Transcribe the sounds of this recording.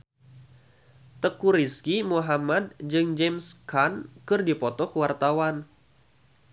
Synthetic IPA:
t̪əkuɾiskimuɦamad̪̚d͡ʒɨŋd͡ʒɛmskankɨrdipɔt̪ɔkəwart̪awan

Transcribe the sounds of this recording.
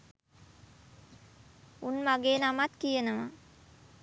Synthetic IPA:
unmaɡeːnamat̪kijənəʋa̰

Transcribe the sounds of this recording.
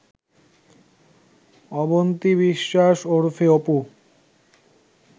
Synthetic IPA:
ɔbont̪iβiʃːaʃoɾfʰeopu

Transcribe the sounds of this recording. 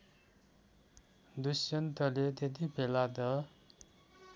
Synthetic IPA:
d̪usʌnt̪ʌlet̪ed̪ibʱelad̪ʌ

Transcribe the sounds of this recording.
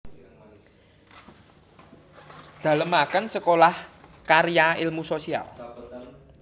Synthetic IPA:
d̪̥a̤ləmakənsəkolahkaɾjailmusosia̰l

